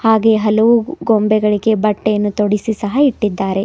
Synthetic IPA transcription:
haːɡe̞ɦɐlɐʋuɡombɛɡɐɭiɡe̞bɐʈːejɐnːut̪oɽisisɐɦɐiʈːid̪ːaːɾe̞

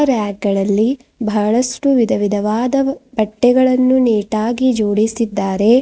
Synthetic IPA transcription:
ɾaːɡɡɐɭɐlːi | bʱɐɭɐsʈuʋid̪ʱɐʋid̪ʱɐʋaːd̪ɐbɐʈːɛɡɐɭɐnːuniːʈaːɡid͡ʒoːɽisid̪ːaːɾe̞

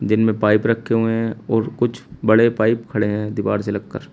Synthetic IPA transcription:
d͡ʒɪnmẽpaːɪpɾɐkʰːeɦueɦɛ̃ɔːɾkʊt͡ʃʰbɐɽepaːɪpkʰɐɽeɦɛ̃d̪ɪʋa̰ːɾselɐɡkəɾ

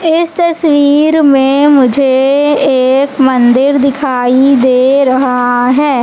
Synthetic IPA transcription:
ɪst̪ɐswiːɾmẽmʊd͡ʒʱeeːkmə̃nd̪ɪɾd̪ɪkʰaːid̪eːɾɐɦɦaɦɛː

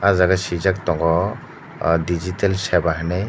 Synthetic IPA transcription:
azaɡasid͡ʒak̚t̪ɔŋɡɔ | did͡ʒitalsɛbaɦnaj

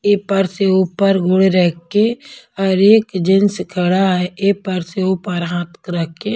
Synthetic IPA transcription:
epəɾseuːpəɾɡʊɽeɾɛɦkːeɔːɾeːkd͡ʒɪnskʰəɽaɦɛeːpəɾseuːpəɾɦãːt̪kɾəkːe

